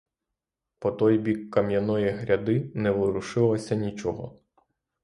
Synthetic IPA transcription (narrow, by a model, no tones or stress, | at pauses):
pɔt̪ɔjbʲikːɐmjɐnɔjiɦɾʲɐd̪ɪnɛʋɪɾʊʃɪlˠɔsʲɐnʲit͡ʃɔɦɔ̰